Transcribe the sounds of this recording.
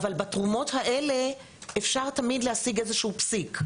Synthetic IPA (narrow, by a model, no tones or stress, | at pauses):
valbatʁumo̞thaʔe̞le̞ | ʔefʃaʁt̪amidlehasiɡezeʃuupsik